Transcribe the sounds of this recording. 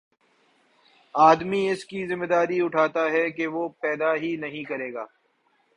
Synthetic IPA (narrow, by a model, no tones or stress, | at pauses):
aːd̪miɪskizɪ̃mːed̪aːɾiʊʈʰaːt̪aɦɛkeʋoːpɛːd̪aɦinɐɦĩkɐɾeːɡaː